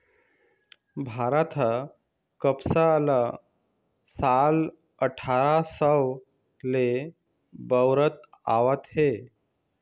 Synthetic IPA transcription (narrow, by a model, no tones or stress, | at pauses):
bʱaɾat̪ʰə | kəpsala | sal | əʈʰaɾasəw | le | bəwɾət̪a̰ʋət̪ɦe